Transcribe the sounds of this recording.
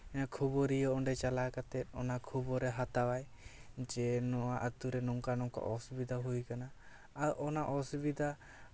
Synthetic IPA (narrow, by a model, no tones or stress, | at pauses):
ɛnakʰubɔɾiɔɔɳɖɛt͡ʃalakat̪ɛt̪̚ˀɔnakʰubɔɾɛɦat̪awaj | d͡ʒɛnɔaʔət̪uɾɛnɔŋkanɔŋka̰ʔɔsubid̪ʱaɦujkanaː | ʔɔnaʔɔsubid̪ʱa